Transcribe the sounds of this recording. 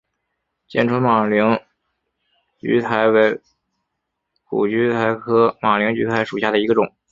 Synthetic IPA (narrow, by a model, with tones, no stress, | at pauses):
t͡ɕjɛ˥˩nʈ͡ʂʰwə˥ma˨˩li˧˥ŋ | t͡ɕy̰˧˥t̪ʰa˧˥ɪwe˧˥ɪ | kṵ˨˩t͡ɕy˧˥t̪ʰa˧˥ɪkʰɤ˥ma˨˩li˧˥ŋt͡ɕy̰˧˥t̪ʰa˧˥ɪʂu˨˩ɕja˥˩ə˩i˧˥ɡə˧ʈ͡ʂʊ˨˩˦ŋ